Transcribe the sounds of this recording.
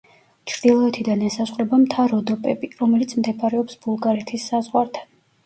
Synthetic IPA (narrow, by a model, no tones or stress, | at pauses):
t͡ʃʰɾd̪̥ilˠɔɛt̪ʰid̪anɛsasqʼɾɛbamt̪ʰaɾɔd̪ɔpʼɛbiɾɔmɛlit̪sʰmd̪ɛpʰaɾɛɔpsb̥ulˠɡaɾɛt̪ʰisːazʁwaɾt̪ʰan